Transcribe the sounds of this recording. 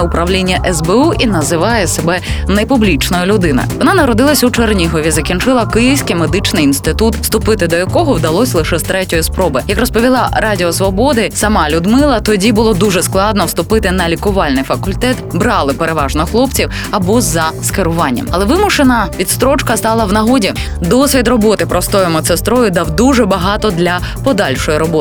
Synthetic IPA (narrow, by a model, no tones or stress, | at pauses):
ʊpɾɐʋlʲinʲːɐʔɛzbɛuʔinɐzɪʋɑjɛsebɛnɛpʊblʲit͡ʃnɔjʊlʲʊd̪ɪnɐ̰jʋɔnɑnɐɾɔd̪ɪlˠɐsʲut͡ʃernʲiɦɔʋʲizɐkʲint͡ʃɪlˠɐkɪjiwsʲkɪjmed̪ɪt͡ʃnɪjinst̪ɪt̪ut̪st̪ʊpɪt̪ɪd̪ɔjɐkɔɦɔwd̪ɐlˠɔsʲlˠɪʃɛst̪ɾɛtʲɔjispɾɔbɪjɐkrɔspɔʋʲilˠɑɾɑdʲiɔsʋɔbɔd̪ɪsɐmɑlʲʊd̪mɪlˠɐt̪ɔdʲibʊlˠɔd̪uʐɛsklˠɑd̪nɔwst̪ʊpɪt̪ɪnɐlʲikʊʋɑlʲnɪjfɐkʊlʲt̪ɛt̪bɾɑlˠɪpeɾeʋɑʒnɔxlˠɔpt͡sʲiw | ɐbɔzɐskeɾʊʋɑnʲːɐ̰mɐlˠɛʋɪmʊʃenɐʋʲit̪st̪ɾɔt͡ʃkɐst̪ɑlˠɐwnɐɦɔdʲi | d̪ɔsʲʋʲid̪rɔbɔt̪ɪpɾɔst̪ɔjʊmɐt̪sest̪ɾɔjʊd̪ɑwd̪uʐɛbɐɦɑt̪ɔd̪lʲɐ | pɔd̪ɑlʲʃɔjiɾɔbɔt̪